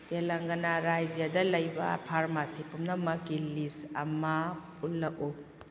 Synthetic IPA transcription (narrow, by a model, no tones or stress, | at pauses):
telɐŋɡɐnaɾajzijadɐlɐjbɐ̰pʰaɾmasipumnɐmɐkilisɐ̰mɐpulːɐk̚u